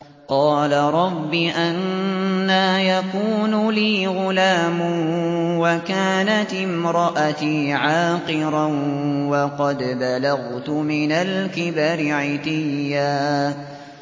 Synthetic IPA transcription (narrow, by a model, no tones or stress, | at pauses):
qɑːlaɾˤɑbːiʔanː | aːjakuːnʊliːɣʊlaːmʊwakaːnat̪ɪmɾˤɑʔat̪iːʕaːqɨɾanwɑqɑd̪balaɣt̪ʊmɪnalkɪbaɾɪʕɪt̪ɪjːaː